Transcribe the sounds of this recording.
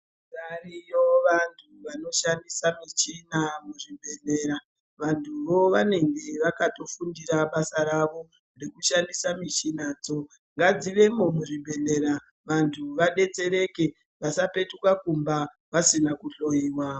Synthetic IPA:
zarijo̞ʋantʰuʋano̞ʃandisamit͡ʃinamuʐibʱe̞ne̞ːɾa | ʋantʰuʋo̞ʋane̞ŋɡe̞ʋakato̞fundiɾaɓasaɾaʋo̞ | re̞kuʃandisamit͡ʃinaːd͡zo̞ | ŋɡad͡ziʋe̞momuʐibʱe̞ne̞ɾa | ʋantʰuʋaɗe̞t͡se̞ɾe̞ke̞ | ʋasape̞tukakumba | ʋasinakuɬo̞jiːwaːo

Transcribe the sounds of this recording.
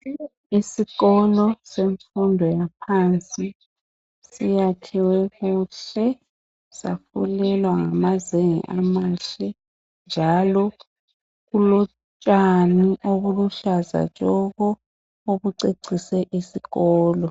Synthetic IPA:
isiɣɔlɔseɱfundʱɔjapʰant͡sʼi | sijatʰiwɛɣuːɬɛ | sa̰fṵlɛlwaŋamazeŋḭʔamaɬɛ | nd͡ʒʱalɔ | ɣulɔ | t͡ʃʼaniʔoβuluɬaza̰t͡ʃʼɔɣɔ | oβuǀeǀisɛʔisiɣɔːlɔ

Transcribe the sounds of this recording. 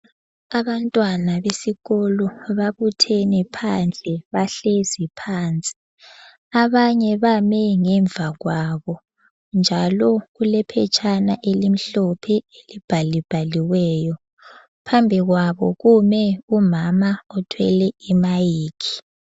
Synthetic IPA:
aβantʼwanaβesiɣɔlɔβaβutʰɛnɛpʰand͡ɮʱɛβaɬezipʰaːnt͡sʼi̥ | aβaɲɛβamɛŋɛɱb̪vʱaɣwaβɔ | nd͡ʒʱalɔɣulɛpʰɛ̰t͡ʃʰʼanaʔelim̩ɬɔpʰɛelib̥ʱalib̥ʱaliwɛːjɔ | pʰambʱiɣwaβɔ̰ɣumɛumamaɔtʰwɛ̰lɛimajiːkʰi̥

